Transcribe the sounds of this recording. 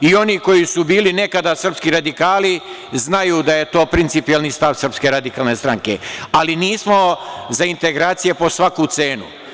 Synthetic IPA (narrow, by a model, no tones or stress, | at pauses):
io̞niko̞jisubiːline̞kad̪asr̩pskiɾad̪ikaːli | znajuːd̪aje̞t̪o̞ːpɾint̪ipijelˠnist̪aʋsr̩pske̞ɾad̪ikaːlˠne̞st̪ɾaŋke̞̰aliniːsmo̞zaint̪e̞ɡɾaːt̪sije̞po̞sʋakut̪se̞ːnṵ